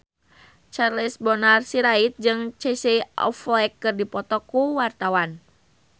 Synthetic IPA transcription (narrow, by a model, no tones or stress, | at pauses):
t͡ʃarlisbɔnarsiɾait̪̚d͡ʒɨŋt͡ʃeseʔɔ̰flɛkːɨrdipɔt̪ɔkuwart̪awan